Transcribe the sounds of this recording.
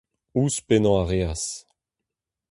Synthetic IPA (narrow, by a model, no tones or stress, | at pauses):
uspenɑ̃aʁeas